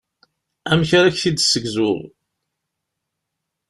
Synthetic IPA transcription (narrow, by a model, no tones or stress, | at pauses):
æmçaɾæçθid̪səɡzʊðˤ